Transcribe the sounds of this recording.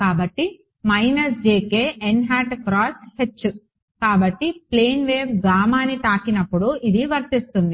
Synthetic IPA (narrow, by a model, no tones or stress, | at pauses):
kaːbɐʈːi | mɐjnɐs̬d͡ʒeːkeːʔenɦaːʈkɾaːshet͡ʃːu | kaːbɐʈːiple̞ːnʋeːpɡaːmaːnit̪aːkinɐpːuɽuid̪iʋɐɾt̪ist̪und̪i